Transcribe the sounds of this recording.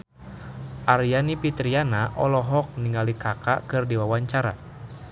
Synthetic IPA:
ʔaɾijanipit̪ɾianaʔɔlɔɦɔk̚niŋalikaka̰kɨrdiwawaɲt͡ʃaɾa̰

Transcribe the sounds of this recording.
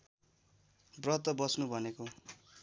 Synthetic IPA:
brʌt̪ʌbʌsnubʱʌneko

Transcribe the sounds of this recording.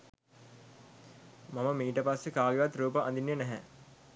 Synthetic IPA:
maməmiːʈəpasːekaːɡeʋat̪ɾuːpəʔɐ̰nd̪injənæɦɛ

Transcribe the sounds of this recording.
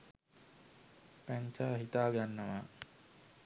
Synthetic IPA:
pæɲt͡ʃaːɦit̪aːɡanːəʋa

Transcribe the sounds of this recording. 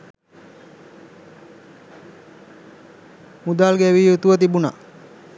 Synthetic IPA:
mud̪aːlɡɛʋiːjut̪uʋət̪̬ibuna

